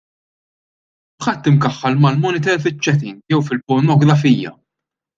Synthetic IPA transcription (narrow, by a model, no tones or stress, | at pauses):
ħɐt̪ːɪmkɐħːɐlmɐlmɔnɪt̪ɛlfɪt͡ʃːɛt̪ḭːnjɛwfɪlpɔɾnɔɡɾɐfiːjɐ̰